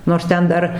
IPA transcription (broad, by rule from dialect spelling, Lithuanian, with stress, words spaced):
noːrs ˈtʲɛn ˈdɐr